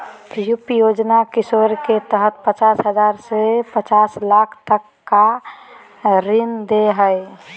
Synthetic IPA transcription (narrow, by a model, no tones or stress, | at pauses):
jupjoːd͡ʒnakɪsoːɾket̪əɦət̪̚pət͡ʃaːsɦəzaːɾsepət͡ʃaːslaːkʰt̪əkːa | ɾɪnd̪eɦəe